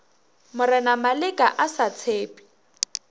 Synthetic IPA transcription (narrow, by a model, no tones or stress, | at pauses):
mʊrɪnamalɪkʼaʔasat͡sʰeːpʼi̥